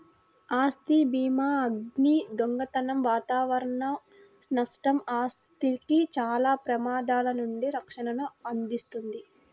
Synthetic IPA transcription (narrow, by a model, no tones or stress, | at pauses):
aːst̪ibiːmaːɐɡnid̪oŋɡɐt̪ɐnɐmʋaːt̪aːʋɐɾɐɳɐ | snɐʂʈɐmaːst̪ikit͡ʃaːlaːpɾɐmaːd̪aːlɐnuɳɖiɾɐkʂɐɳɐnuɐnd̪ist̪und̪i